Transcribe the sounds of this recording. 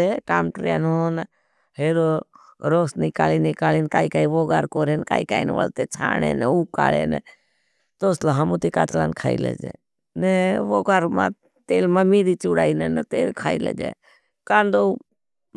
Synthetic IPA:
eʈaːmʈɾja̰ːnɦon | heːɾo | ɾoːsnikaːlinikaːliːnkaːikaːiʋoːɡaːɾkoːɾenka̰ːikaːinʋə̰lt̪et͡ʃʰa̰ːnḛneuːka̰ːlḛnɛ̰ | t̪oːslaɦɐmut̪ikaːt͡ʃla̰ːnkʰaːḭlḛd͡ʒḛ | neʋoːɡaɾma̰ | t̪eːlmamiːɾit͡ʃuɽaːinenət̪eːlkʰaːilḛd͡ʒḛ | kaːnd̪o

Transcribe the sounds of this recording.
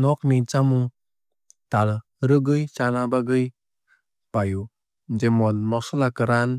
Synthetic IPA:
nɔk̚nit͡ʃamu | tal | ɾɯɡɯjt͡ʃanabaɡɯj | paju | d͡ʒemɔnmɔsɔlakɯɾan

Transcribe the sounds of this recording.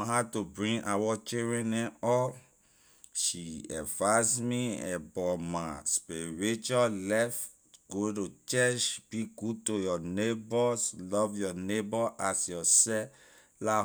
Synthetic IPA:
ɦatubɹĩŋʔawɔt͡ʃiɹɛ̃nɛ̃nɔ | ʃiɛ̰vasmiɛ̰bɔmaspeɹet͡ʃalɛf | ɡ̥otot͡ʃɛt͡ʃb̥iɡud̚tojɔnebɔslɔvjɔnebɔʔasjɔsɛ | la

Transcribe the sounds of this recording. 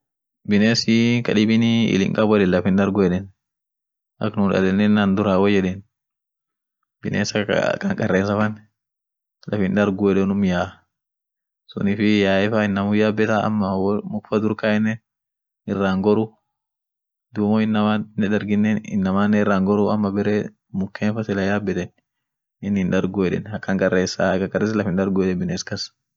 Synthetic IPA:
bɪneːsɪkɐᶑɪbɪniɪ̰lɪ̰ŋkʼɐbɔᶑɛnlɐfɪnd̪ɐɾɡʊɛᶑɛn | ʔɐknʊːnᶑɐ̰lɛnːɛnːɐnd̪ʊɾaːwɔd͡ʒɛᶑɛn | b̥ɪneːsɐ̰kʼɐŋkʼɐrːeːnsɐfɐn | lʔɐfɪnd̪ɐɾɡʊɛɗɛnʊmjaː | sʊ̰nɪfɪjaːɛfɐɪnːɐmʊjaːbːɛt̪ɐɐ̰mːɐwmʊkfɐd̪ʊɾkaɛnːɛ | ɪrːaːŋɡɔɾʊ | d̪uːmɔɪnːɐmanːɛᶑɐɾɡɪnːɛɪ̰nːɐmaːnːɛɪrːaːŋɡɔɾʊɐmːɐbɛɾe | mʊkːeːnfɐsɪlɐjaːbːɛt̪ɛn | ɪnːhɪnᶑɐɾɡʊɛᶑɛ̰nhɐkːɐŋkʼɐrːeːsɐkɐkʼɐreːslɐfɪnᶑɐɾɡʊɛᶑɛbɪneːskɐs

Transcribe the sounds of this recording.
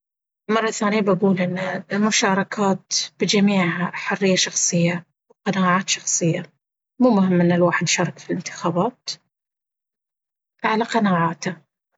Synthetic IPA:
mɑrˤːɑθaːnɪjabaɡuːlʔɪnːalmʊʃɑːɾˤɑkʰaːt̪b̥ɪd͡ʒamiːʕaħʊrːɪjːaʃɑxsˤɨjːa | wqɑnaːʕaːt̪ʃɑxsˤɨjːa | muːmʊɦɪmːʔɪnːalwaːħɪd̪ʃɑːɾˤɑkfilɪnt̪ɪ̥xaːbaːt̪ | ʕalaqɑnaːʕaːt̪ha

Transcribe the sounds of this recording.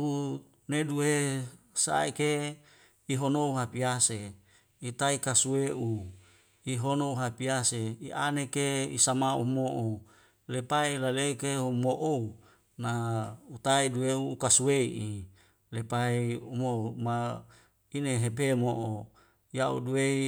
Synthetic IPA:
u | neduesa̰ike | iɦonouɦapiase | it̪aikasueʔu | iɦonouɦapiaseiʔanekeisamaṵmoʔo | lepailaleikeumoʔou | naut̪aidueuːkasueiʔi | lepaiumouma | ineɦepemoʔo | jaṵduei

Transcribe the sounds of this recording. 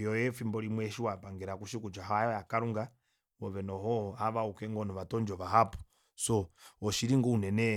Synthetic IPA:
jɔjɛfimbɔlimwɛʃiwapaŋɡɛɾakuʃikut͡ʃaɦajɔjakaɾuŋɡa | wɔβɛnɔɦɔaβaukɛŋɡɔnɔβatɔnd͡ʒɔβaɦapu̥ | sɔɔʃiɾiŋɡɔunɛnɛ

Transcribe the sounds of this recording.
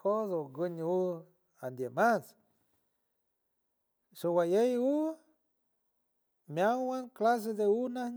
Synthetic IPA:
koðoɡɨɲu | and̪jemas | sowajeju | mjawanklas̬ed̪eunahɲ

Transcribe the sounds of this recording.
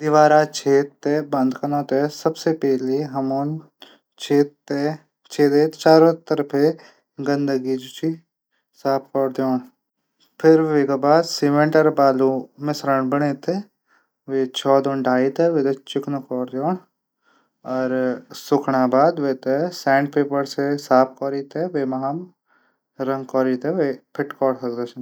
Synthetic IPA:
d̪ɪʋaːɾat͡ʃʰeːt̪ːebɐ̃nd̪kɐnõːt̪esɐbsepɛːleɦɐmoːn | t͡ʃʰeːt̪ːe | t͡ʃʰeːt̪eːt̪t͡ʃaːɾõt̪ɐɾpʰe | ɡɐ̃nd̪əɡid͡ʒʊt͡ʃi | saːp̚ʰkɔːɾd̪joːɳ | pʰɪɾʋeɡabaːd̪siːʋə̃ɳʈəɾbaːlumẽsɾəɳbɐɽeːt̪e | ʋeːt͡ʃʰɔːd̪oɳɖʱaːit̪eʋet̪et͡ʃɪknɐkɔːɾd̪joːn | ɔːɾsʊkʰɳaːbaːd̪ʋeːt̪esɛ̃ːɳɖ̚peːpəɾsesaːp̚ʰkɔːɾiːt̪eʋeːmɐɦam | ɾɐ̃ŋɡkɔːɾiːt̪eʋepʰɪʈkɔːɽkɐkd̪ɐt͡ʃn

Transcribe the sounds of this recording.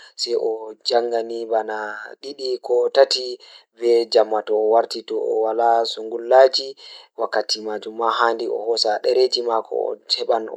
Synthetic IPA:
sɛjʔɔd͡ʒaŋɡanibanaɗiɗikʰɔtatibɛd͡ʒamːatɔːwaɾtitɔɔ̰walasuŋɡulːad͡ʒiwakːatimad͡ʒumːaɦandiɔ̰hɔsaɗɛɾed͡ʒimakʰɔ̰ɔ̰tʰɛɓan

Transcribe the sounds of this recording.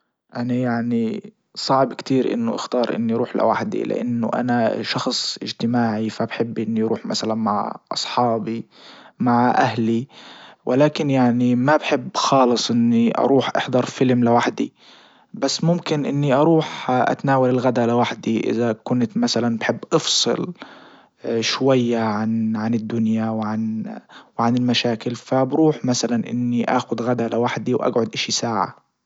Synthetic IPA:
ʔanajaʕni | sˤɑʕbkt̪iːɾʔɪ̰nːʊʔɪ̰xt̪ɑːɾˤʔɪ̰nːiʔɾˤuːħlɪ̰wa̰ħd̪ḭlɪ̰ʔa̰nːʊ̰ʔa̰naʃɑxsˤʔɪd͡ʒt̪ɪmaːʕifabħɪbːʔɪnːiɾuːħmasalanma̰ʕʔɑ̰sˤħɑːbi | maʕʔahliwʔɪlaːkɪnjaʕnimabħɪbːxɑːlɨsˤʔɪnːiʔɑ̰ɾˤuːħʔɑ̰ħd̪ɑɾˤfɪlmlɪwaħd̪ḭ | basːmʊmkɪnʔɪnːiʔɑɾˤuːħʔa̰t̪naːwalɪlɣad̪alɪwaħd̪iʔɪ̰ðakʊnt̪masalanbħɪbːʔɑfsˤɨ̰l | ʃwajːaʕanʕanɪd̪ːʊnjawʕanwʕanɪlmaʃaːkɪlfabɾuːħmasalanʔɪ̰nːiʔa̰ːxʊd̪ɣad̪alɪwaħd̪iwʔa̰ɡʕʊd̪ʔaʃisaːʕa̰

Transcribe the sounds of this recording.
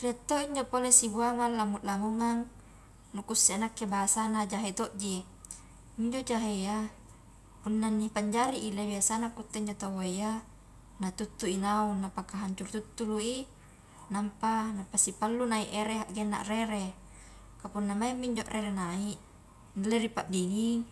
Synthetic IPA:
riat̪ːoʔiɲd͡ʒopolesiɡuamalːamut̪lamuŋaŋ | nukusːianakːebasanad͡ʒaɦet̪oʔd͡ʒi | miɲd͡ʒoʔd͡ʒaɦeja | punːanːipaɲd͡ʒaɾiʔilebiasanakut̪ːeiɲd͡ʒot̪awaija | nat̪ut̪ːuinaunːapakaɦaɲt͡ʃurt̪ut̪ːuluʔi | nampanapasipalːunaiʔeɾeɦaʔɡenːa̰ʔreɾe | kapunːamaimːiɲd͡ʒoʔrʔeɾenaiʔ | nleɾipaʔdiniŋ

